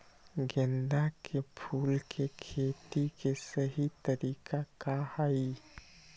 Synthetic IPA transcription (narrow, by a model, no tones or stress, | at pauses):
ɡẽnd̪akepʰuːlkʰekʰeːt̪ikesəɦit̪əɾiːkʰakahai